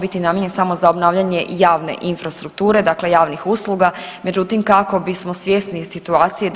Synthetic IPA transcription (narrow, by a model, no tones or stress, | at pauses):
bit̪inamjeɲensamo̞zaobnaːʋʎaɲe̞jaːʋne̞̰ʔinfɾast̪ɾuk̚t̪uːɾe̞d̪akle̞jaːʋnixuslˠuɡa | me̞d͡ʒut̪imkako̞bismo̞sʋje̞sni̥sit̪uaːt̪sije